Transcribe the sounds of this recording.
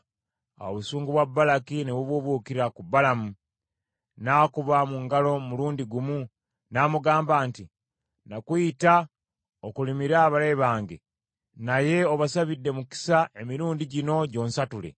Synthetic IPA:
a̰woβusuːŋɡuβwabːalakineβuβuβuːkiɾakubːalamu | naːkuβamuŋɡalo̞muluːndiɡumu | naːmuɡaːmbaːnti | nakwuita | okulimiɾaːβaɾeβaːŋɡe | naje̞oβasaβidːe̞muki̥saʔe̞miɾuːndiɟino̞ɟo̞ːnsatule̞̰

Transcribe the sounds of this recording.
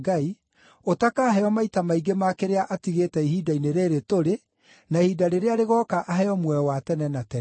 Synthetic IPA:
ɡai | otakaːɦɛɔmaitamaiɡemakeɾeaʔatiɣetɛihiːdaineɾeːɾetoɾe | nahidaɾeɾeaɾeɣɔːkaʔaɦɛɔmwɛwatɛnɛnatɛ

